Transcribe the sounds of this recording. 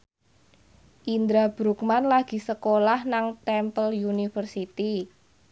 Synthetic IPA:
ʔind̪ɾab̥ɾuk̚manlaɡ̥i̤səkolahnaŋt̪ɛmpəljunifərsit̪i

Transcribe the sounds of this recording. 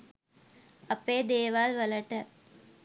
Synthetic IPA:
ɐpeːd̪eːʋaːlʋələʈə

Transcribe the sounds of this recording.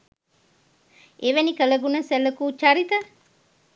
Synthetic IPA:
eʋænikələɡunəsæləkuːt͡ʃaɾit̪ə

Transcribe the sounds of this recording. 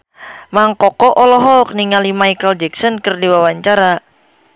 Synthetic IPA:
maŋkɔkɔʔɔlɔɦɔk̚niŋalimajkəld͡ʒɛksɔnkərdiwawaɲt͡ʃaɾa

